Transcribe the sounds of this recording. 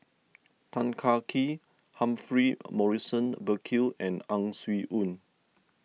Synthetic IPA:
tʰãnkʰakʰi | hãmfɹimɔɹisə̃nbəkʰilɛ̃nãŋswiʔũn

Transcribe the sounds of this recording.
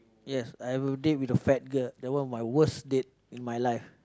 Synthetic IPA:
jɛsajɛvədet̚witəfɛt̚ɡəldɛwɔ̃nmajwəsdet̚ | ĩnmajlajf

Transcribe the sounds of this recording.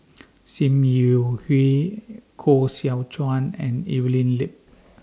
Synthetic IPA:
sĩmjuhikʰosiawt͡ʃʰãnɛ̃nḭvilĩnlip̚

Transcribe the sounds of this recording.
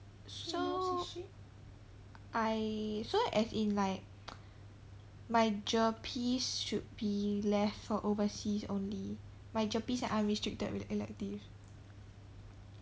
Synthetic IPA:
so | ʔajsoʔɛsĩnlaɪk̚ | majd͡ʒɔpʰisʃud̚bilɛftfɔʔovəsisõ̰nli | majd͡ʒɔpisɛ̃ʔãnɹĩstɹik̚tə̰d̚wiɛlɛ̰k̚tiv

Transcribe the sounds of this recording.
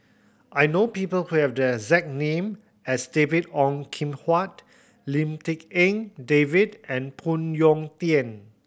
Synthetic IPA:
ʔajnopipəlhuhɛvdəɛɡzɛk̚nẽm | ɛsdevidɔ̃ŋkʰĩmhwat̚ | lĩmtikɛ̃ŋdevidɛ̃npʰũnjɔ̃ŋt̪iɛ̃n

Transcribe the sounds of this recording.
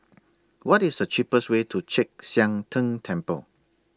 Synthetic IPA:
wɔtisdət͡ʃipəswetʰut͡ʃɛk̚sjãŋtʰə̃ŋtʰɛ̃mpə̰l

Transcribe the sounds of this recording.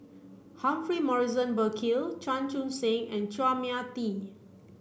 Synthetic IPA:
hãɱfɹimɔɹizə̃nbəkʰilt͡ʃãnt͡ʃũnsẽŋɛ̃nt͡ʃuamiat̪i

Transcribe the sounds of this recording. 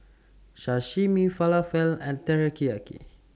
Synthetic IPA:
ʃaʃimifalafɛlɛ̃nt̪ɛɹəkiakḭ

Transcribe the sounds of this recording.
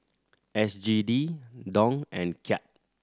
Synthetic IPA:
ɛsd͡ʒididɔ̃ŋɛ̰̃nkʰɛt̚

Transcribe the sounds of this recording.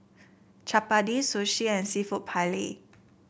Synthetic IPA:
t͡ʃapadisoʃiɛ̃nsifuʔpʰalḭ

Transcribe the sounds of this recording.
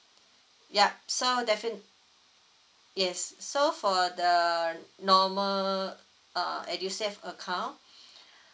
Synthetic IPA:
japsodɛfin | jɛsːofɔdənɔməl | ʌɛdjusɛfəkʰãʊ̃n

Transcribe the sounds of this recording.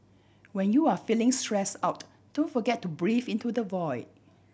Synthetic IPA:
wɛ̃njuafilɪ̃ŋstɹɛsaʊt | d̥õntfɔɡɛtːubɹivĩntudəvɔɪt

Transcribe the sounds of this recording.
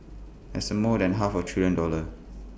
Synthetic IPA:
ɛ̰səmɔdɛ̃nɦafɔtʰɹiljə̃ndɔlə

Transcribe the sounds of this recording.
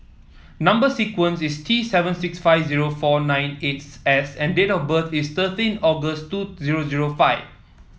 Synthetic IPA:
nãmbəsikwə̃nsistʰisɛvə̃nsiksfaɪvziɹofɔnãj̃netɛsɛ̃ndetɔfbət̪ʰist̪ətĩnɔɡəstuziɹoziɹofaɪv

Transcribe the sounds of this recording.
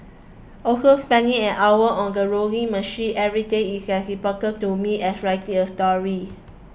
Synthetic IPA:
ʔokəlfɛ̃ŋĩɛ̃nʔawəʔɔ̃ndəɹoɡĩŋməʃĩnʔɛvɹideisɛthipɔkətumiɛsɹaɪtĩŋəstɔɹi

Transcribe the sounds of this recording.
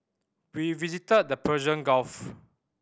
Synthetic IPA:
wivizitəd̚dəpʰɛʒə̃nɡɔlf

